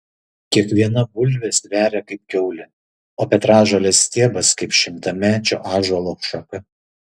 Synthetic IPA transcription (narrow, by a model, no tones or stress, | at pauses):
kʲiɛkʋʲiɛnɐbʊlʲʋʲesʲʋʲæːɾʲɛkɐɪp̚kʲɛʊlʲɪ | oːpʲɛt̪ɾɑːʒɐlʲɛsʲt̪ʲiɛbɐskɐɪpʃʲɪmt̪ɐmʲæːt͡ʃʲo̰ːʔɑːʒolˠoːkʃɐkɐ